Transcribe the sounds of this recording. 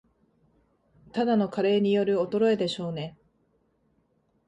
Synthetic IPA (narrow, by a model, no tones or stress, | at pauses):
t̪ad̪ano̞kaɾe̞ːɲ̟ijo̞ɾɯ̟o̞t̪o̞ɾo̞e̞d̪e̞ɕo̞ːne̞